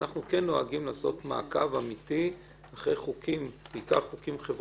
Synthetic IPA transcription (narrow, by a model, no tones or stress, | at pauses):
aχnukenːo̞aɡimlaːso̞̰tma̰ːkavamiti | aχʁejχukʰimbiːka̰ʁχukimχev